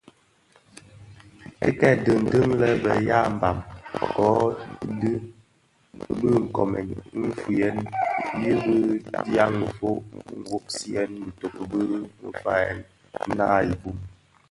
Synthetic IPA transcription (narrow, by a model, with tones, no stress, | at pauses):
ḛ˦kɛ˦˨də˨n̩˨tə˦ŋlɛ˦bə̰˨ja˦m̩˨ba˨mkɔ˨˦dɨ˦ | bə˦ŋ̩˨kɔ̰˨mɛ̰˨nm̩˦fu˨jɛ˦nji˦bə˦dja˦ŋ˨fo˦ʔŋ̩˨wo˦k̚si˦ɛ˦nmə˨to˨kbə˦mə̰˨fa˦ɛ̰˨n˦ | na̰˦i˨bu˦m